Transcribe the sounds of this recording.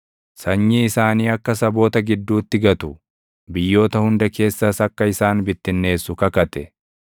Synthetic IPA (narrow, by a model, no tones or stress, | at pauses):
sɐɲːiɪsaːniːɐkːɐs̬ɐbo̞ːt̪ɐɡɪd̪ːuːt̪ːɪɡɐt̪ʊ | bɪjːo̞ːt̪ɐhʊnd̪ɐke̞ːsːɐsɐkːɐɪsaːnbɪt̪ːɪnːe̞ːsːʊkɐkɐt̪ɛ